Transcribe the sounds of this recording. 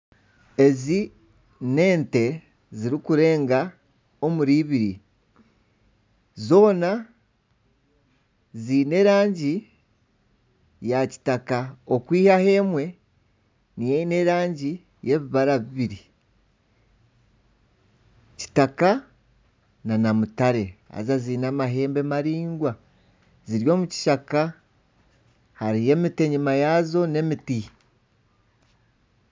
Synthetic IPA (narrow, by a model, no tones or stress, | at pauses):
e̞zi | ne̞ːnte̞ | ziɾikuɾe̞ːŋɡa | o̞muɾiβiɾi | zo̞ːna | ziːne̞ːɾaːɲɟi | jaci̥takao̞kwiːhahe̞ːmwe̞ | nijeine̞ɾaːɲɟi | je̞βiβaɾaβiβiɾi | ci̥taka | nanamutaɾe̞a̰zazinamaɦe̞ːmbe̞maɾiːŋɡwa | ziɾjo̞ːmuci̥ʃaka | haɾije̞mite̞ɲimajazo̞ne̞miti